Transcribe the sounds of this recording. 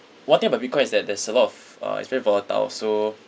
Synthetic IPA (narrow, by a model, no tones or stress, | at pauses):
wãntĩŋbabikʰɔ̃j̃isdɛt̚dɛsəlɔtɔf | ʌ̰tsvɛɹivɔləta̰lso